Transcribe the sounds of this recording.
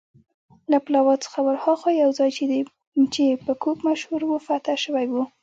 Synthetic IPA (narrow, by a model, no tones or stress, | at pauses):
laplɑwɑt͡sə̥xawaɾhɑxɑjawzɑjt͡ʃed̪i | t͡ʃepəkʰokmaʃhuɾwufat̪aʃəwajwu